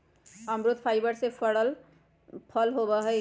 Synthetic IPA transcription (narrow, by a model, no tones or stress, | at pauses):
ʌmɾut̪̚pʰajbʌɾsepʰʌɽʌl | pʰʌlɦobʌɦʌ